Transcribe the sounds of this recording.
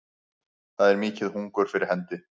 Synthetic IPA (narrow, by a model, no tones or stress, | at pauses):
θaðɛɾmiːcɪðhuŋkʏɾ̥fɪɾɪɾ̥ɦɛnt̪ɪ